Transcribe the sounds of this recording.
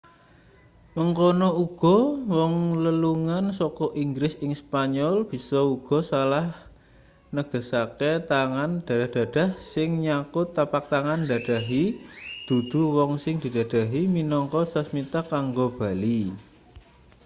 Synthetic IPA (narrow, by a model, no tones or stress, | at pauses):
məŋkɔnɔuɡ̥ɔ̤wɔŋləluŋansɔkɔʔiŋɡɾɪsɪŋspaɲɔlb̥i̤sɔuɡ̥ɔ̤salah | nəɡ̥ə̤saket̪aŋand̥ad̥a̤d̥a̤hsɪŋɲakʊt̪ːapak̚t̪aŋand̪a̤d̥a̤ɦid̪̥ṳd̪̥ṳwɔŋsɪŋd̪̥i̤d̪̥a̤d̥a̤ɦiminɔŋkɔsəsmit̪akaŋɡob̥a̤li